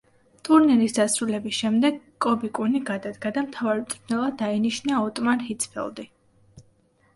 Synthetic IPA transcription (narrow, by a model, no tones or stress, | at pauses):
t̪ʼuɾniɾisd̪asɾulɛbisʃɛmd̪ɛɡ | kʼːɔbikʼuniɡad̪ad̪ɡad̪amt̪ʰavaɾit̪ʼɾnɛlˠad̪ainiʃnaɔt̪ʼmanhit̪sʰpʰɛ̰lˠd̪i